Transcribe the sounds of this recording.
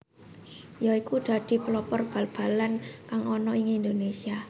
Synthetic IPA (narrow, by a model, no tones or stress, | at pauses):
jaikud̪̥a̤d̪̥i̤pəlɔpɔrb̥ä̤lb̥a̤lankaŋɔnɔɪŋind̪onesia